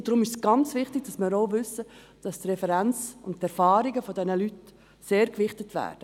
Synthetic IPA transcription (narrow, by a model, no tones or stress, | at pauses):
d̥ɾʊmɪʃsɡ̥ɑnt͡svɪχtɪɡ̥̚d̥ɑsmɪːɾoʊvʏsə | d̥ɑstrɛfɛɾænt͡sʊnttɛɾfɑːɾiɡəfɔdɛnəlyt | seːɾkvɪχtətʋæ̰ːɾd̥ə